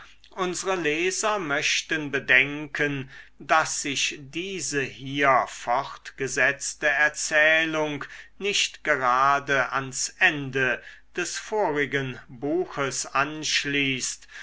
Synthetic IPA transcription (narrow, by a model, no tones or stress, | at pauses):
ʔʊnzəʁəlɛːzɐmœɕtənbədɛŋkʰəndasz̥ɪçdiːzəhiːɐfɔʁtɡ̥əzɛt͡stəɛɐt͡sɛːlʊŋknɪʃtɡ̥əʁaːdəʔansʔɛndə | d̥ɛsfoːʁɪɡənbuːxəsʔanʃliːst